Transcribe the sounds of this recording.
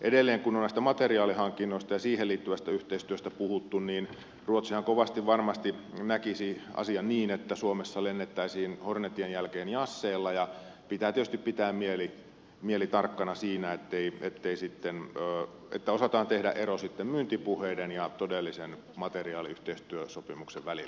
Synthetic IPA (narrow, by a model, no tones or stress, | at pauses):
ʔedelːeːŋkunonæist̪æmɑt̪eriɑːlihɑŋkːinːoˑist̪ɑjɑsiːhelliːt̪ːyʋæst̪æyht̪eist̪yøst̪æpuhut̪ːunniːn | ruot̪sihɑŋkoʋɑst̪iʋʋɑrmɑst̪inækisiɑ̰siɑnniːnet̪ːæsuomesːɑlenːet̪ːæisiːnhornet̪ienjælkeːnjɑsːeːlːɑjɑpit̪æːt̪iet̪yst̪ippit̪æːmmieli | mielit̪ɑrkːɑnɑsiːnæet̪ːeiḛt̪ːeisit̪ːenøː | ḛt̪ːæosɑt̪ɑːnt̪ehdæ̰ʔerosit̪ːemmynt̪ipuheidenjɑt̪odelːisen | mɑt̪eriɑːliyht̪eist̪yøsopimukseʋʋælḭlːæ